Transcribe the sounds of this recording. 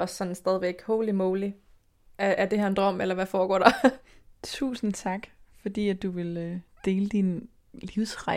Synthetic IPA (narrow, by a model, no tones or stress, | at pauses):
ɒ̽sːɒ̽nn̩sd̥ɛð̞ˠʋeɡ̥hoːlimoːli | ʔææɐd̥e̝hæɐ̰e̝nd̥ʁɒm̰elɐʋæfɒːɡ̥ɒ̰ːd̥ɑ̈ | t͡sʰṵːsn̩t͡sʰɑ̈ɡ̥fɒ̽d̥ḭːæd̥̚uʋe̝lød̥e̝ːləd̥in | liʊsʁɑ̈